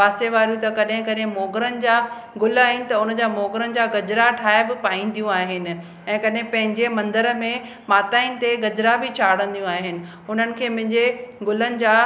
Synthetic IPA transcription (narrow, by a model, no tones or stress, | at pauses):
paːseʋaːɾjũt̪ɐkɐɗɦɪ̃kɐɗɦɪ̃moːɡɾənɪ̆d͡ʑaː | ɡʊlaːɦɪnɪ̆t̪ɐʊnəd͡ʑaːmoːɡɾənɪ̆d͡ʑaːɡɐd͡ʑɾaʈʰaːɪbɪpaːĩːn̆d̪ijũaːɦɪnɪ̆ | ɛ̃ːkɐɗɦɪ̃pɐ̃ɦɪ̃ɲd͡ʑemɐ̃nd̪əɾəmẽ | maːt̪aːĩnɪt̪eɡɐd͡ʑɾabɪt͡ɕʰaːɽ̤ə̃nd̪ijũaːɦɪnɪ̆ | ʊn̤ənɪ̆kʰeːmɐ̃ɦɪ̃ɲd͡ʑeɡʊlənɪ̆d͡ʑaː